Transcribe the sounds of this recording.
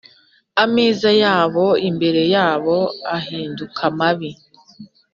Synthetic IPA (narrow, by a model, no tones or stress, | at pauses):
amiːzajaːβo̞imbe̞ɾe̞jaːβo̞aɦiːndukʰamaβi